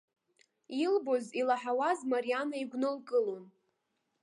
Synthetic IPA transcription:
ilbo̞zilaħawazmaɾianaiɡʷnɨlkʼɨlon

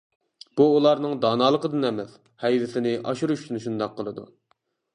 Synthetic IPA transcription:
b̥uulˠɑɾnɨŋd̪ɑːnɑːlˠəqəd̪ɨnɛmɛs | hɛjvɪsɪnɪʔɑ̰ʃuɾuʃsynʃund̪ɑqʰːəlˠɨd̪ṵ

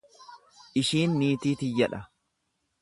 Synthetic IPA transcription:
ʔɪʃiːnːiːt̪iːt̪ɪjɐᶑɐ

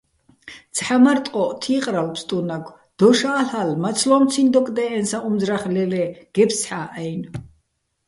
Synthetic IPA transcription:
t̪t͡sʰħamaɾt̪ʼqʼɔʔt̪ʰiqʼɾalpʰst̪ʼunaɡʰʷ | d̪̥ɔʃaːɬalmat̪sʰlɔmt̪t͡s̪ʰind̪ɔkʼd̪ɛʔɛnsaʔumzɾaχlɛlɛɡ̥ɛpʰsħaːʔɛjn

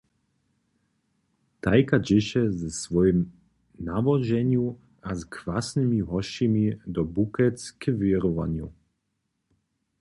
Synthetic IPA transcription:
t̪ajkad͡ʑɪʃɛzɛsvɔjɛm | navɔʒɛɲju | azkvasnimiɦɔʃimid̪ɔbukɛskʰəviɾɔva̰nju

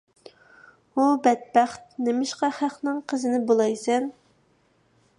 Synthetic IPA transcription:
ubɛt̪̚bæχt̪̚nemɪʃqɑχæχnɪŋqʰəzɪnɪbolˠɑjsɛn

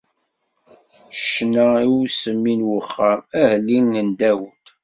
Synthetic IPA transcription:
ʃnæiwsəmːinwəχːəmæhlːinːənd̪æwət̪

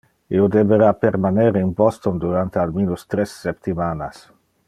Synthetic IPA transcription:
iod̪eveɾapeɾmaneɾeinpɔst̪ond̪uɾant̪ealmiːnust̪ɾesːept̪imanas

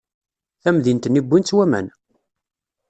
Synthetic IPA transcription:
θæmðint̪ənibːint͡sːwæmæ̰n

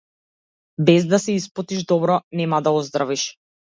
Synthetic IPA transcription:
bɛzd̪asɛispɔt̪iʒd̪ɔbɾɔnɛmad̪aɔzd̪ɾaviʃ

